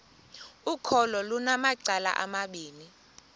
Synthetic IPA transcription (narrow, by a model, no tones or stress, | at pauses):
ukʰɔlɔlunamaǀala̰ʔa̰maɓiːni